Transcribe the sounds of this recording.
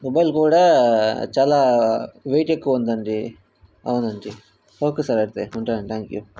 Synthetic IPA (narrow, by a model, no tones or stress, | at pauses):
mobɐjlkuːɽat͡ʃaːlaʋejʈekːuond̪ɐɳʈi | ɐ̰ʋnɐɳʈi | oːkesaɾɐɾt̪euɳʈɐɽɐɳʈt̪ʰaːŋkju